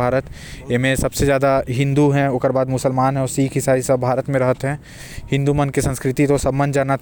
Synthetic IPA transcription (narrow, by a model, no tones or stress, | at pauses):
aːɾət̪jemẽsɐbsezjaːd̪aɦɪ̃nd̪uɦɛ̃okəɾbaːd̪mʊsəlmaːnɦɛ̃ɔːɾsiːkʰɦɪsaːisɐbbʱaːɾət̪mẽɾɐɦət̪ɦɛ̃ | hɪ̃nd̪umənkisɐ̃nskɾɪt̪it̪osɐbmə̃ndd͡ʒaːnat̪